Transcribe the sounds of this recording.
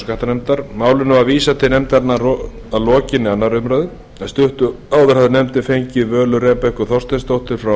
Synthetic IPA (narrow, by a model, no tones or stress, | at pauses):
kaht̪anɛmt̪aɾ̥maːwlʏnʏvaðviːsat̪ʰɪnɛmt̪aɾnaɾ | aðlɔːcɪnɪanːaɾʏmɾaðɪ | aðst̪ʏht̪ʏ | aːwðʏɾ̥haðɪnɛmt̪ɪfejɲcɪðvœːlʏɾɛːpɛhkʏθɔr̥st̪ɛst̪owht̪ɪɾ̥fɾa